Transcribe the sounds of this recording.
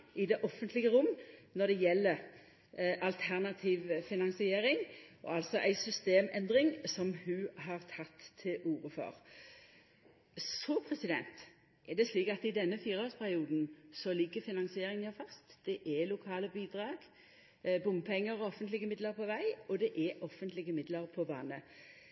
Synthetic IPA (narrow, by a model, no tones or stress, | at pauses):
ɪd̪ɛʔɔfːənt̪lɪɡəɾʊmːnɔd̪ɛjɛlːəʁ | ʔɑlt̪ʰæʁnɑt̪ʰiːʋfɪnɑnsɪeːɾɪŋɔ̰ɑlsɔʔæɪsʏst̪eːmɛnd̪ʁɪŋsɔmhʉhɑʁt̪ʰɑt̪ʰːɪlʔuːɾəfɔ̰ʁ | sɔpʰʁɛsɪd̪ɛ̰nt̪ | ʔɛd̪ɛsliːkɑt̪ɪd̪ɛnːəfiːʁəoːspʰæʁɪuːd̪n̩sɔliːkəfɪnɑnsɪeːɾɪŋnæfɑst̪d̪̥ɛʔɛlʊkʰɑːləbiːd̪ʁɑːɡ̥ | bʊmpʰɛŋːəɾɔɔfənt̪lɪɡəmɪd̪ləʁpʰɔʋæɪɔd̪ɛʔɛʔɔfːənt̪lɪɡəmɪd̪ləɾpʰɔʋɑnə